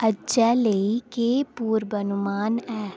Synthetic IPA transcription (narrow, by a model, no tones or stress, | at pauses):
əd͡ʒɛləikeːpuːɾbənʊmaːnɛː